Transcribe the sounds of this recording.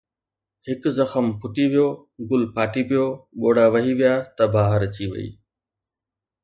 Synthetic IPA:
hɪkzɐxəmpʰʊʈiʋijoː | ɡʊlpʰaːʈipɪjoːɠoːɽaʋɐɦiʋɪjaːt̪ɐbaːɦəɾɐt͡ɕiʋɐ̰ḭː

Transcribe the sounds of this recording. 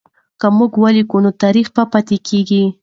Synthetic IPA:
kamuɡwalikunot̪aɾixpapat̪ekʰeɡi

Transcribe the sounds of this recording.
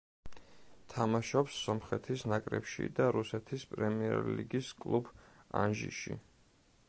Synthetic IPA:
t̪ʰamaʃɔpsːɔmχɛt̪ʰisnakʼɾɛ̰pʃḭd̪aɾusɛt̪ʰispʼɾɛmiɛɾliɡiskʼlˠuba̰nʒḭʃḭ

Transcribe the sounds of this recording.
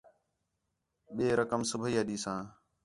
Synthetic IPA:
ɓeːɾəkəmsəbʱəiːɦəɗiːsãː

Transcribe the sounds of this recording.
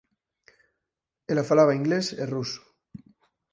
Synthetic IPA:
elafalaβaiŋɡleseruso̥

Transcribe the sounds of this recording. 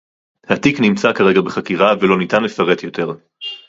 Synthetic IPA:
hat̪iknimt͡sakaʁe̞ɡabeχakiʁavelo̞nitanlefaʁe̞t̪jo̞t̪ʰe̞ʁ

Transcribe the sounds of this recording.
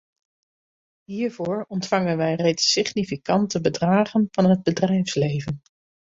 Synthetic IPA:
ɦiːɹvʊːɹɔntfɑŋənʋɛjrejtsɪχnifikɑntəbədraːχənv̥ɑnɦəd̚bədrɛjfslejvən

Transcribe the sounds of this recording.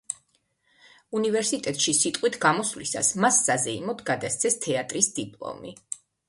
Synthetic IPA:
univɛɾsit̪ʼɛt̪ʼʃisit̪ʼqʼwit̪ʰɡamɔslisa̰smasːazɛimɔd̪ʰɡad̪ast̪sʰɛst̪ʰɛat̪ʼɾisd̪ipʼlˠɔ̰mi

